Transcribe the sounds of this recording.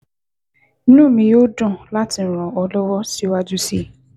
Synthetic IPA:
nũ˦˨mĩ˧jo˦dɔ̃˦˨la˦ti˨ɾ̃ɔ̃˨ɔ˧lɔ˦wɔ˦si˦wa˦d͡ʒu˦si˦

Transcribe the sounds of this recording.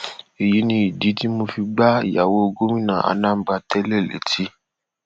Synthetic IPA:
e˨ji˨˦nĩ˧˦i˨di˨˦ti˦mo˧fi˧ɡ͡ba˦ḭ˨ja˨wo˦o˧ɡo˦mĩ˦nã˦˨a̰˧˨nã˦˨˦ɡ͡ba˧tɛ˦lɛ˦˨lḛ˨˦tʰi˨˦

